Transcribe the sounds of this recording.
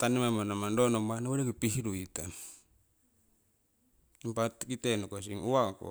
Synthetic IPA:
t̪anemamanamandonomanawaɾekipihiɾuit̪a | impatkitenokos̬iŋuwako̰

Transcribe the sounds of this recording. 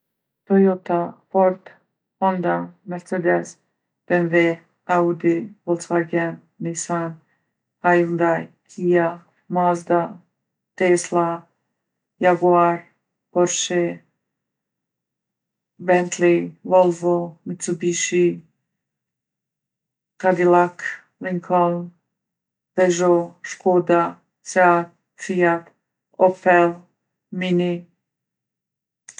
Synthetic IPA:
t̪ɔjɔt̪apɔɾt̪ | ɔnd̪amɛɾt͡sɛd̪ɛs | b̥ɛnvɛ | aud̪ivɔlˠt͡svaɡɛn | nisan | ajund̪ajkʰija | mazd̪a | t̪ɛsla | jaɡuaɾ | pɔɾʃɛ | bɛnt̪ʰlivɔlˠvomit̪t͡s̪ubiʃi | kad̪ilak | liŋkʰɔln | bɛʒoʃkoːd̪a | sɛat̚ | fijap | opɛl | mini

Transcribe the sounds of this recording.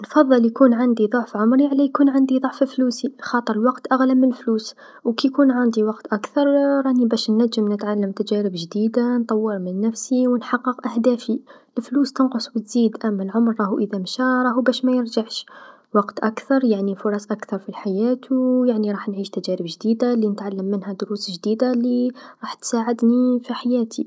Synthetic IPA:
nfɑðˤːɑljkuːnʕand̪iðˤoʕfʕʊmɾiʕalːæjkuːnʕand̪iðˤoʕffluːsixɑːt̪ˤəɾˤəlwɑqt̪ʔaɣlamːɪnlfluːs | wkijkuːnʕand̪iwɑqt̪ʔakθɑɾˤɾˤɑnibæʃnːæʒːəmnət̪ʕalːəmt̪æd͡ʒæɾəbʒd̪iːd̪ant̪ˤɑwːəɾmɪnːæfsiwənħɑqːəqʔæhd̪æːfiʔəlfluːst̪ənqʊsˤbət̪zid̪ʔæmːælʕʊmɾːˤɑhuʔəðæmʃæɾˤɑːhubæʃmæjəɾʒaʕʃ | wɑqt̪ʔakθɑɾˤjaʕnifʊɾˤɑsʔækθɑɾˤfilħajæt̪ʰjaʕniɾˤɑːħnʕiʃt̪æʒæɾəbʒd̪id̪alinət̪ʕalːəmːənhæd̪ʊɾusʒd̪id̪aliɾˤɑːħt̪saʕəd̪nifiħajæːt̪ʰḭ

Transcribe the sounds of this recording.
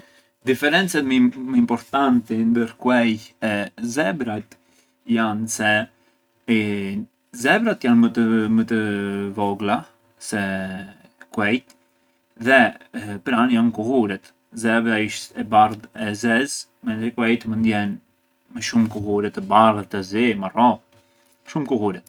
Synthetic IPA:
d̪ifɛɾɛnt͡sɛt̪mməimpɔɾt̪ant̪ɛnd̪əɾkwɛjɛzɛbɾat̪ | jansɛ | zɛbɾat̪janəəmət̪əvɔɡla | sɛ | kwɛjt̪ | ðɛpəɾanjankuɦuɾɛt̪ | zɛbɾaiʃt̪ɛbaɾðɛzɛz | mɛnzɛkwɛjt̪əmənd̪jɛn | məʃumkuɦuɾɛt̪əbarət̪əzimarɔ | ʃumkuɦuɾɛt̪

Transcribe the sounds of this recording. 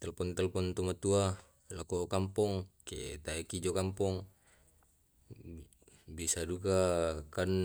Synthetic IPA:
t̪ɛlpɔnt̪alpɔnt̪umat̪ua | lakɔkampɔŋkḛt̪aekid͡ʒokampɔŋ | biasadukakan

